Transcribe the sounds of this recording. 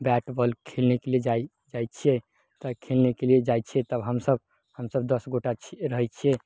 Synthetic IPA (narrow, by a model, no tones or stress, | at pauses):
bɛʈbəlkʰelnekelied͡ʒa | d͡ʒajt͡ʃʰijɛ | t̪əkʰelnekelied͡ʒajt͡ʃʰiɛt̪əbɦəmsəb | həmsəbd̪əsɡoʈat͡ʃʰiɾəɦɛt͡ʃʰije